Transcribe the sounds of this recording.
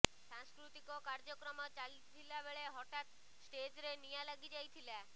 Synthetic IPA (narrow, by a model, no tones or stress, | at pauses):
sãŋskɾut̪ikɔkaɾd͡ʒɔkɾɔmɔt͡ʃalit̪ʰilabeɭeɦɔʈat̪ | sʈed͡ʒɾenijalaɡid͡ʒajt̪ʰila